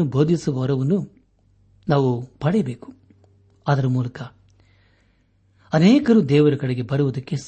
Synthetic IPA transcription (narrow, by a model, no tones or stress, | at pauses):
ubʱo̞ːd̪ʱisuʋɐʋɐɾɐʋɐnːu | naːʋupɐɽɛjɐbe̞ːku̥ | aːd̪ɐɾɐmuːlɐkɐ | ɐnɛːkɐɾuːd̪ɛːʋɐɾɐkɐɽeɡe̞bɐɾuʋɐd̪ɐkːe̞s